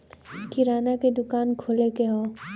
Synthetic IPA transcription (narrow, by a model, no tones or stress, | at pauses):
kiɾaːnaked̪ʊkaːnkʰolekeɦõː